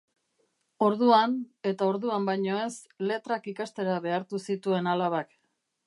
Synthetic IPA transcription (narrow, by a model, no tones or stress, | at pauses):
o̞ɾðuane̞t̪ao̞ɾðuambajɲo̞e̞s | le̞t̪ɾakikast̪e̞ɾaβe̞aɾt̪usit̪ue̞nalaβak